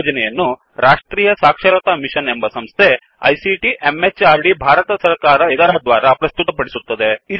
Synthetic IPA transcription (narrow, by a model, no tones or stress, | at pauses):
d͡ʒɐnɛjɐnːu | ɾaːʂʈɾiːjɐsaːkʂɐɾɐt̪ɐmiʃɐnembɐsɐmst̪ʰe | ɐ̰jsiʈiʔemet͡ʃːaːɾɖibʱaːɾɐt̪ɐsɐɾkaːɾɐed̪ɐɾɐd̪ʋaːɾɐpɾɐst̪ut̪ɐpɐɽisut̪ːɐd̪ei